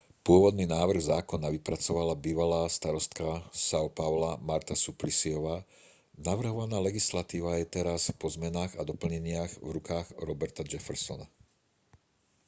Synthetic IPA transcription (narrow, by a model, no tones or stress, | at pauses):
pʊɔʋɔd̪niːnaːʋr̩ɣzaːkɔnaʋipɾat͡sɔʋalabiːʋalaːst̪aɾɔst̪kasaɔpaʊlamaɾt̪asuplisiɔʋaː | naʋr̩ɦɔʋanaːlɛɡislat̪iːʋajɛt̪ɛɾaspɔzmɛnaːɣad̪ɔpl̩ɲɛɲɪaɣvɾukaːɣɾɔbɛɾt̪ad͡ʒɛfɛɾsɔna